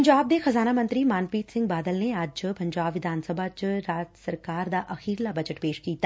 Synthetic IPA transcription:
ɲd͡ʒaːb̚d̪exɐzaːnamə̃nt̪ɾimaːnpiːt̪sɪ̃ŋɡ̚baːd̪əlnead͡ʒpɐɲd͡ʒaːbʋɪd̪ʱaːnsəbʱat͡ʃɾaːd͡ʒsəɾkaːɾd̪aːʔɐxiːɾlabɐd͡ʒəʈpeːʃkiːt̪a

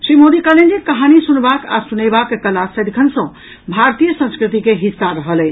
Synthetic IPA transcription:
sɾimod̪ikəlend͡ʒekəɦanisunbaka̰sunebakːekəlasəd̪ikʰənsə̃ | bʱaɾt̪ijəsə̃nskɾit̪ikeɦisːaɾəɦəlɛ

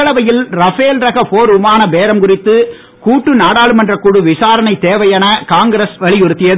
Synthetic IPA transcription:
ɐɭɐʋɐjɪlɾɐfeːlɾɐɣɐfoːɾʊmaːnɐbeːɾɐmkʊrɪt̪ːɯ | kuːʈːɯnaːɽaːɭɯmɛndrɐkʊɽɯʋɪsaːɾɐnɐɪt̪ːeːʋɐjɐnɐkaːŋɡɾɐsʋɐɭɪjʊɾɯt̪ːɪjɐð

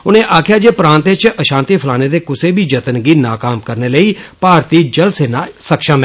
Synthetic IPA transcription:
ʊnẽːʔaːkʰɪjaːd͡ʒeːpɾãːnt̪eːt͡ʃʔəʃãːnt̪iːpʰəlaːneːd̪eːkʊseːbiːd͡ʒət̪ənɡiːnaːkaːmkəɾneːləiːpaːɾt̪iːd͡ʒəlseːnaːsəkʃəːm

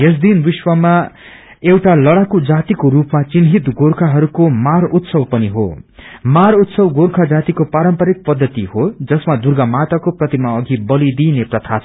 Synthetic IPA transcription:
ɦes̬d̪inbiswʌma | ewʈalʌɽakod͡zat̪ikoɾupmat͡sinɦit̪ɡorkʰaɦʌɾukomaɾut̪sʌwpʌniɦo̰maɾut̪sʌwɡoɾkʰad͡zat̪ikopaɾʌmpʌɾik̚pʌd̪ʱːʌt̪ihod͡zʌsmad̪urɡamat̪akoprʌt̪imaʌɡʱibʌlid̪ineprʌt̪ʰasʰ

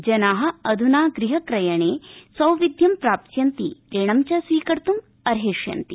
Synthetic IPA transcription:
d͡ʒɐnaːɦɐ̆ɐd̪ʱunaːɡɾiɦɐkɾɐjɐɳeːsɐwʋid̪jɐmpɾaːp̚t̪jɐnt̪ḭɾeːɳɐmt͡ʃɐsʋiːkɐɾt̪um | ɐɾɦeːʂjɐ̰nt̪i

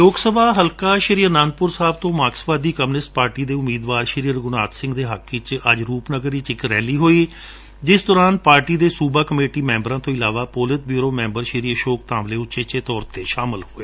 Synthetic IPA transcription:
joːɡsəbaːɦəlkaːʃɪɾiːənãːnd̪̚pʊɾsaːb̚t̪õːmaːksbaːd̪iːkəmnɪsʈ̚paːɾʈiːd̪eːʊmiːd̪ʋaːɾʃɾiːəɾɡʊnaːt̪sɪ̃ŋɡd̪eːɦakʰːɪt͡ʃəd͡ʒɾuːpnəɡəɾiːt͡ʃɪkɾɛːliːɦoːiː | d͡ʒɪsd̪ɔːɾaːnpaːɾʈiːd̪eːsuːbaːkəmeːʈiːmɛ̃ːmbɾãːt̪õːɪlaːʋaːpoːlɪt̪̚biːɾoːmɛ̃ːmbəɾʃɪɾiːəʃoːk̚t̪ãːmleːʊt͡ʃeːt͡ʃeːt̪ɔːɾt̪eːʃaːmɪlhoːeː

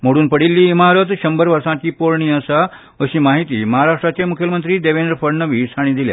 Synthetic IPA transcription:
moɽuːnpəɽilːiːmaɾət̪ɕəmbəɾʋəɾsãt͡ɕiːpoɾɳiːəsa | əɕiːmaɦit̪ḭːməɦaɾaʂʈɾat͡ɕemukʰjəmənt̪ɾiːd̪eʋenɖɾfəɾnəʋiːsʰaɽ̃ĩːd̪ilja̰

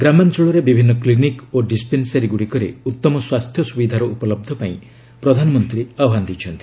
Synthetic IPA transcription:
ɡɾamant͡ʃuɭɔɾebibʱinːɔklinikoɖispensaɾiɡuɽikɔɾḛut̪ːɔmɔswast̪ʰjɔsubid̪ʱaɾɔʔupɔlɔb̚d̪ʱɔpaĩ | pɾɔd̪ʱanɔmɔnt̪ɾiɔbɦand̪it͡ʃʰɔnt̪i̥

